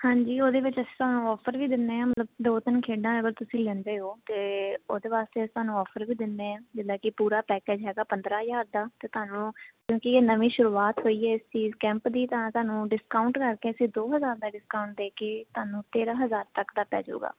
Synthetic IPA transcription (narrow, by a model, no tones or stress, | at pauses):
hãːɲd͡ʒiːoːd̪eːʋɪt͡ʃəsĩːt̪ʊɦaːnũːɔːpʰəɾʋiːd̪ɪnd̪eːãːmət̪ləbd̪oːt̪ɪnkʰeːɖãːəɡəɾt̪ʊsĩːlɛ̃nd̪eːoːt̪eːoːd̪eːʋaːst̪eːst̪ʊaːnũːɔːfʰəɾʋiːd̪ɪnd̪eːãːd͡ʒɪd̪aːkɪpuːɾaːpɛːkeːd͡ʒɦɛːɡaːpənd̪ɾãːjaːɾd̪aːt̪eːt̪ʊaːnũːkjõːkieːnəʋĩːʃʊɾuːaːt̪ɦoːiːɦɛːɪst͡ʃiːzkɛ̃ːmpd̪iːt̪ãːt̪ʊaːnũːɖɪskaːʊɳʈkəɾkeːəsĩːd̪oːɦəzaːɾd̪aːɖɪskaːʊɳʈ̚d̪eːkeːt̪ʊaːnũːt̪eːɾãːɦəzaːɾt̪əkd̪aːpɛ̰ːd͡ʒo̰ːɡa̰ː